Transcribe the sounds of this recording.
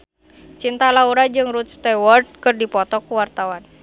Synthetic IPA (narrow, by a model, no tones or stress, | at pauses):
t͡ʃint̪alauɾad͡ʒɨŋrut̪̚st̪ɛwɔrd̪̚kɨrdipɔt̪ɔkuwart̪awan